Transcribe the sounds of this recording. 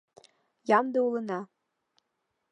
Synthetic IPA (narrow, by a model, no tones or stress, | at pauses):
jɑmd̪ɤulɤ̆nɑ